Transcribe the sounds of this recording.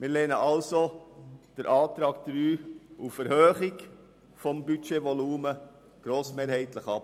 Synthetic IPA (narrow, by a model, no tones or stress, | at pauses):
mɪːɾleːnə̰ʔɑlsod̥əɾʔɑːt̪ɾɑːk̚d̥ɾyːʔufɛɾhøːχɪk | fɔmbytʃevɔluːmə | ɡ̥ɾoːsmeːɾhɛɪtləχɑp